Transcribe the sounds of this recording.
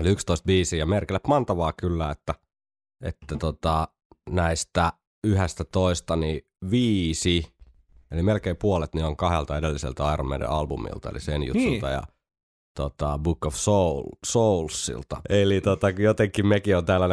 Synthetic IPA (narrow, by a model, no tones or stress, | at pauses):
oliykst̪oist̪̚biːsiːjɑmerkilːæpmɑnt̪ɑʋɑːkylːæːet̪ːæ | ḛt̪ːæt̪ot̪ɑ | næist̪æ | yhest̪æt̪oist̪ɑni | ʋiːsi | elimelkeipuolet̪nioŋkɑhelt̪ɑedelːisḛlt̪æɑiromːḛdḛɑlbumḭlt̪ɑḛlḭsenjṵt̪ːult̪ɑ̰jɑ̰ | t̪ot̪ɑbukːofsolsoulsːḭlt̪ɑ̰elit̪ot̪ɑkjot̪eŋkːimmekiont̪æːlːæn